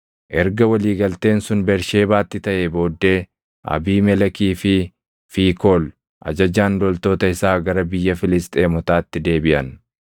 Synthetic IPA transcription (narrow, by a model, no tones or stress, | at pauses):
ʔɛɾɡɐwɐliːɡɐlt̪e̞ːnsʊnbɛɾʃe̞ːbaːt̪ːɪt̪ɐʔebo̞ːd̪ːe̞ː | ʔɐ̰biːmɛlɐkiːfɪ | fiːkoːl | ʔɐ̰d͡ʒɐd͡ʒaːnd̪ɔlt̪o̞ːt̪ɐɪsaːɡɐɾɐbɪjːɐfɪlɪst̪ʼe̞ːmɔt̪aːt̪ːɪd̪e̞ːbɪʔɐn